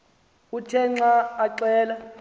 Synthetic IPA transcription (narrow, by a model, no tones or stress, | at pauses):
utʰɛŋ͡ǀaːǀɛːla